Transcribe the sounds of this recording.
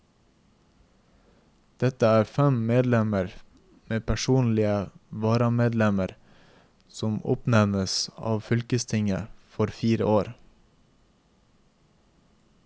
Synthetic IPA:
d̪̥ɛt̪əæːɾfɛmmeːd̪lɛməɾ | meːpʰæʃuːnlɪəʋɑːɾɑmeːd̪lɛməɾ | sɔmʊ̰pnɛmnəsɑ̰ːʋfʏlkəst̪ʰɪŋə̰fɔɾfiːɾə̰ʔoːɾ

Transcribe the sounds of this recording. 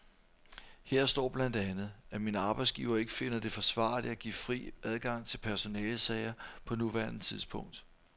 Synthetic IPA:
heɐ̰sd̥ɒ̰ːb̥lænd̥ænð̩ˠæminəɑ̈ːb̥ɑ̈ɪsɡ̥ḭʊɐe̝ɡ̥əfe̝nɐd̥e̝fɒ̽sʋɑ̰̈ːliæɡ̥ḭːfʁḭːʔæð̞ˠɡ̥ɑ̈ŋ̰t͡sʰe̝lpʰæɐso̝nɛːlsɛɪɐpʰɒ̽nuʋæɐnət͡sʰiðˠsb̥ʰɔ̽ŋ̰d̥

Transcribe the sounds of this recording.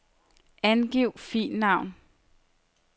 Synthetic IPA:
ænɡ̥iʊ̰fḭːnːɑ̈ʊ̰n

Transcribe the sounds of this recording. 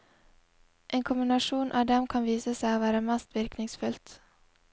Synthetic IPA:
ʔeːnkʰʊmbɪnɑʃuːnʔɑ̰ːʋd̪ɛmkʰɑnʋiːsəsæɪoːʋæːɾəmɛst̪ʋɪɾknɪŋsfʉlt̪

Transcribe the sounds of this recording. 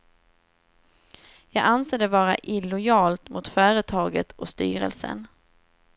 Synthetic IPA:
jɑːɡanseːd̪ɛvɑːɾa̰ʔɪlʊjɑːlt̪mʊt̪fœːɾət̪ʰɑːɡət̪ʰɔst̪y̰ːɾə̰lsə̰n

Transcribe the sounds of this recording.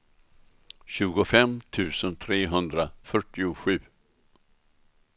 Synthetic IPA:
ɕʉ̟ːɡʊfɛmt̪ʰʉ̟ːsənt̪ʰɾeːɦɵnd̪ɾafœʈːɪʊɧʉ̟ː

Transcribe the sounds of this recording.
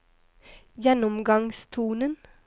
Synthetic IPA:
jɛnʊmɡɑŋst̪ʰuːnən

